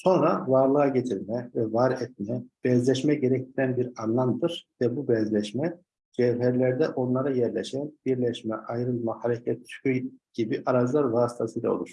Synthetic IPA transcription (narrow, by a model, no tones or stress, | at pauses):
so̞nɾavaɾlˠɯaɟet̪ʰiɾmɛvɛvaɾɛt̪̚mɛb̥ɛzlʲɛʃmɛɟeɾɛc̚t̪ʰiɾænbiɾanlˠamd̪ɯɾ̥vɛbubɛzlʲɛʃmɛ | d͡ʒɛvɦæɾlʲæɾd̪ɛʔo̞nlˠaɾajɛɾlʲɛʃænb̥iɾlʲɛʃmɛʔajɾɯlˠmahaɾecʰɛt̪t͡ʃyyjɟ̥ibiʔaɾad͡ʒlˠaɾvaːsi̥t̪ʰasɯjlʲa̰olˠuɾ̥